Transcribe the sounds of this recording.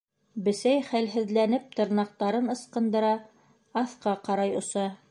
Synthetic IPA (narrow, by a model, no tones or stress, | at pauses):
bɘ̆sæjχælɦɘ̆ðlænɘp̚t̪ɤ̆ɾnɑq̚t̪ɑɾɤnɤ̆sqɤ̆nd̪ɤ̆ɾɑ | ɑθqɑqɑɾɑjŏsɑ